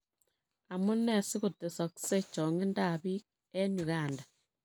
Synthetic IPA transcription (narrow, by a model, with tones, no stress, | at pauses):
a˨mo˦ne˦˨si˦ɣo˨te˨so˨kse˦t͡ʃo˨ŋe˦nda˦˨βi˦k | e˦ɲu˨ɣa˨nda˨